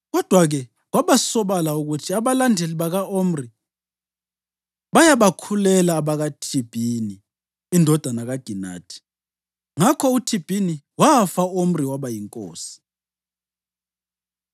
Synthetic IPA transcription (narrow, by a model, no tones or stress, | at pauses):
ɣɔd̥ʱwaɣɛ | ɣwaβasɔβalauɣutʰiaβalandʱeliβaɣaʔom̩ri | ɓajaβakʰulɛlaːβaɣatʰib̥ʱiniː | ndʱɔd̥ʱanaɣaɡ̥ʱina̰ːtʰi̥ | ŋakʰɔutʰib̥ʱini | wafaom̩riwaβajiŋkʼo̰ːsi̥